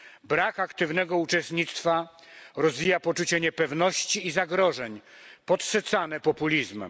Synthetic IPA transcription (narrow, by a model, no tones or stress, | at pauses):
bɾakakt̪ɘvnɛɡɔut͡ʂɛst̪ɲit̪st̪fa | ɾɔzvʲijapɔt͡ʂut͡ɕɛɲɛpɛvnɔɕt͡ɕiːzaɡɾɔʐɛɲpɔt̪sɛt̪sanɛpɔpulʲizmɛ̰m